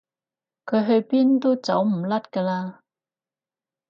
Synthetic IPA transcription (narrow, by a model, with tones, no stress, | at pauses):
kʰɵ˨˧ɥɦɵ˧ɥpiː˥nt̪o˥wt͡sɐ˨˥wm̩˨˩lɐ˥t̚kaː˧laː˧